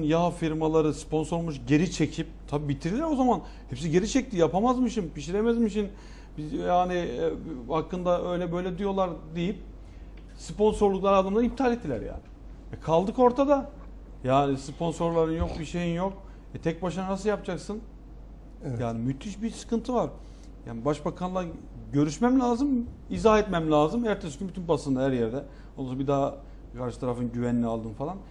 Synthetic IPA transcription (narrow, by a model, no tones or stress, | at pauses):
njaɦfiɾmalˠaɾɯspo̞nso̞ɾmuʃɟe̞ɾit͡ʃʰe̞cʰip̚t̪ʰabiːbit̪ʰiɾilʲiɾo̞zaman | hɛpsiɟe̞ɾit͡ʃʰɛc̚t̪ʰijapʰamazmɯʃɯnpiʃiɾemɛzmiʃ̬in | bijaːnɪhakːɯnd̪aʔø̞jlʲɛbø̞jlʲɛd̪ijo̞lˠaɾd̪ejip̚ | spo̞nso̞ɾlˠuklˠaɾɯad̪ɯmlˠaɾip̚t̪ʰaːlʲɛt̪ːilʲæ̰ɾja̰ːnɪ | vɛkʰalˠd̪ɯko̞ɾt̪ʰad̪a | jaːnispʰo̞nso̞ɾlˠaɾɯnjok̚biʃe̞jinjok̚ | vɛt̪ʰɛc̚baʃɯnnasɯlˠjap̚d͡ʒaksɯn | jaːnimyt̪ʰyʃbisɯ̥kʰɯnt̪ʰɯvaɾ | jaːnibaʃbakʰanlˠa | ɟø̞ɾyʃmæmlʲaːzɯm | izahɛt̪mɛmlʲaːzɯmæɾt̪ʰɛsy̥cʰymbyt̪ʰynpasɯnd̪aɦæɾjɛɾd̪ɛ | onˠusbid̪aː | kʰaɾʃɯ̥t̪ʰaɾafɯnɟyvɛninialˠd̪ɯnfalˠan